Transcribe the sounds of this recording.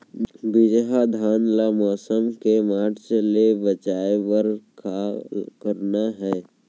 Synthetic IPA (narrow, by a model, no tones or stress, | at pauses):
bɪd͡ʒɦad̪ʱaːnlamɔːsəmkemaːʈt͡ʃlebət͡ʃaːeʋəɾkakəɾnaɦɛː